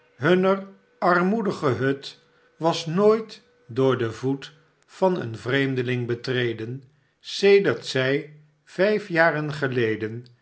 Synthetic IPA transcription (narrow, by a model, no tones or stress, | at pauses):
ɦɵnər | ɑɹmudəχəɦɵt | ʋɑsnoːjt | dʊːɹdəvut | fɑnə̰nvrejmdəlɪŋbətrejdən | sejdəɹtsɛj | v̥ɛjfjaːrənχəlejdən